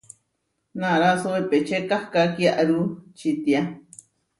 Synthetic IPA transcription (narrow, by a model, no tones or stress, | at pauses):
nãɾasoβepet͡ʃekahkakjaʔɾut͡ʃit̪ja